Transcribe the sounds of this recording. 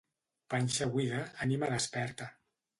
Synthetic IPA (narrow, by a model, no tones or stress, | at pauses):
panʲʃaɣwiɣaːnimaðəspɛɾt̪a